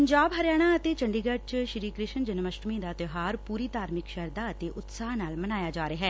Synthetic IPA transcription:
pəɲd͡ʒaːbɦəɾjaːɽ̃aːət̪eːt͡ʃəɳɖiːɡəɖ̚t͡ʃʃɾiːkɾɪʃənd͡ʒənməʃɾmĩːd̪aːt̪ɪɦaːɾpuːɾiːt̪aːɾmɪkʃəɾd̪aːət̪eːʔʊt̪saːɦnaːlmənaːjaːd͡ʒaːɾeːɦɛː

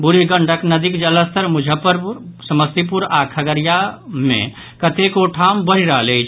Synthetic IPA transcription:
buɾiɡəɳɖʱəknəd̪ikd͡ʒələst̪əɾmud͡ʒʱəpəɾsəməst̪ip̬uɾakʰəɡəɾijamḛ̃ | kət̪ekoʈʰambəɾ̤iɾəɦəlejt͡ʃʰ

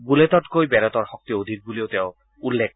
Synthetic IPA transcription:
ɡulet̪ɔʈkojbɛɾɔt̪ɔɾhɔk̚t̪iod̪ʱik̚buliot̪eʊ | ulːek̚

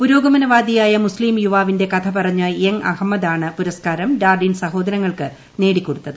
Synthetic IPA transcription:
puɾo̞ːɡɐmɐnɐʋaːd̪ijaːjɐmusliːmjuʋaːʋinde̞kɐt̪ʰɐpɐrɐɲːɨjeŋɐ̰hɐmːɐd̪aːɳɨpuɾɐskaːɾɐmdaːrɖinsɐɦo̞ːd̪ɐɾɐŋːɐɭkɨ | ne̞ːɽikʲːo̞ɽut̪ːɐðɨ

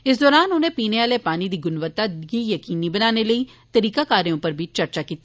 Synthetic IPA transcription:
ɪsd̪ɔːɾaːnʊn̤ẽpiːneʋaːlepaːnid̪iːɡʊnʋət̪ːaɡijɐkiːnibɐnaːneləi | t̪ɐɾiːkakaːɾeõpəɾbʱit͡ʃɐɾt͡ʃakiːt̪iː

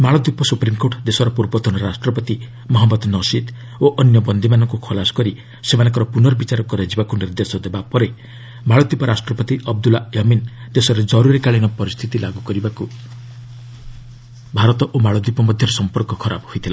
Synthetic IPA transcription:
maɭɔd̪ipɔsupɾimkoʈd̪esɔɾɔpuɾbɔd̪ʰʱɔnɔɾasʈɾɔpɔt̪i | mɔɦɔmːɔd̪nɔsit̪ | oʔɔnjɔbɔnd̪ʱimanɔŋkukʰɔlasɔ̥kɔɾi | semanɔŋk̬ɔɾɔpunɔɾɔbit͡ʃaɾɔkɔɾed͡ʒibakuniɾd̪esɔd̪ebapɔɾe | maɭɔd̪iupɔɾʔasʈɾɔpɔt̪iʔɔb̚d̪ulajɔmind̪esɔɾed͡ʒɔɾuɾikaɭinɔpɔɾist̪ʰit̪ilaɡukɔɾibaku | bʱaɾɔt̪ɔʔomaɭɔd̪ipɔmɔd̪ʱjɔɾesɔmpɔɾkɔkʰɔɾa̰bɦojt̪ʰila

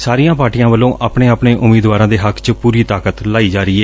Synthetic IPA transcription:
saːɾijãːpaːɾʈijãːʋəlːõːʔʔaːpɳeːaːpɳeːʔʊmeːd̪ʋaːɾãːd̪eːɦəkʰt͡ʃpuːɾiːt̪aːkət̪laːiːd͡ʒaːɾiːeː

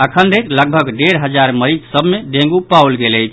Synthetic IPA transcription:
əkʰənɾekləɡ̚bʱəɡɖeɾɦəd͡ʒaɾməɾid͡ʒsəbmeɖẽŋɡupawlɡeləjt͡ʃʰ

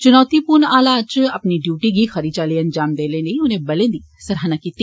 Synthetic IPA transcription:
t͡ʃʊnɔːt̪ipʊnaːlat͡ʃɐpniɖjuːʈiɡixəɾiːt͡ʃaːliːɐnd͡ʒaːmd̪eːleːləiʊnẽːbɐlẽːd̪i | sɐɾaːnakiːt̪iː

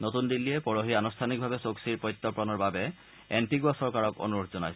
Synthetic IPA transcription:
not̪und̪ilːijɛpɔɹoɦianustʰanik̚bʱabɛsoksiɹpɔjt̪ːɔpɹɔnɔɹbabɛ | ɛnpiɡuasɔɹkaɹɔko̰nuɹot̪ʰzɔnajsɛ

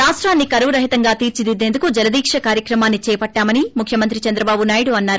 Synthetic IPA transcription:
ɾaːʂʈɾaːnːikɐɾʋɾɐɦit̪ɐŋɡaːt̪iːɾt͡ʃid̪id̪ːe̞ːnd̪ukud͡ʒɐlɐd̪iːkʂɐkaːɾjɐkɾɐmaːnːit͡ʃɛːpɐʈːaːmɐnimukʰjɐmɐnt̪̬ɾit͡ʃɐnd̪ɾɐbaːbunaːjɽuɐnːaːɾu

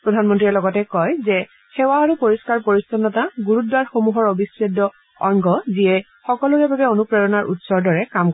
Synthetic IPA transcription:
pɹɔdʱanmɔntɹiɛlɔɡɔtɛkɔjzɛ | xewaːɹupoɹiskaɹpoɹistɔnːɔtaɡuɹutwaɹxomuɦɔɹobisɹedɔ | ɔŋɡɔziɛ | xɔkɔlukɛbabɛonupɹaɹɔnaɹʔutsɔɹdɔɹɛkamk

